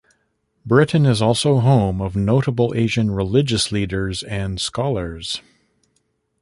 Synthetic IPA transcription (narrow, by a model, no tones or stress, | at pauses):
bɹɪʔn̩ɨzɔlˠsoʊɦõʊ̃mʌvnoʊɾəbl̩ˠeɪʒɨ̃nɹɪlɪd͡ʒɨsliɾə˞zɨ̃nskɑlˠə˞z̥